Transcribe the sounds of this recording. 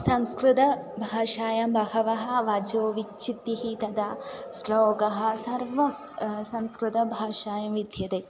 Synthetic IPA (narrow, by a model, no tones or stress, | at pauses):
sɐmskɾɪt̪ɐ | bʱaːʃaːjɐmbɐɦɐʋɐɦɐ̆ʋɐd͡ʒoːʋit͡ʃt͡ʃʰit̪ːiɦit̪ɐd̪aːsloːɡɐɦɐ̆sɐɾʋɐ | sɐmskɾɪt̪ɐbʱaːʃaːjɐmʋid̪ʱjɐt̪eː